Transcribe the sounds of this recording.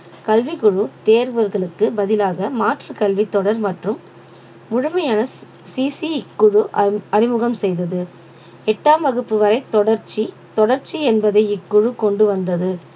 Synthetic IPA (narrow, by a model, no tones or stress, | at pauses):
kɐlʋikʊɻɯt̪eːɾɯʋɐɾɣɐɭɯkːɯbɐðɪlaːɣɐmaːʈrɯkɐlʋit̪ːɔɽɐɾmɐʈrɯmː | ʊɻʊmɐjaːnɐ | siːsiɪkːʊɻɯɐɾɪmɯɣɐmsɛjðɐðɯ | ɛʈːaːmɐɣɯpːɯʋɐɾɐɪt̪ɔɽɐɾt͡ʃːi | t̪ɔɽɐɾt͡ʃːiɛnbɐðɐɪɪkːʊɻɯkɔɳɖɯʋɐnd̪ɐðɯ